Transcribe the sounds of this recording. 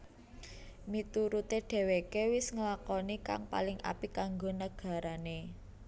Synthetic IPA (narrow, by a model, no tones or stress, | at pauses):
mit̪uɾut̪eɖ̥ɛ̤wekewɪsŋəlakɔnika̰ŋpa̰lɪŋʔa̰pikaŋɡonəɡ̥a̤ɾane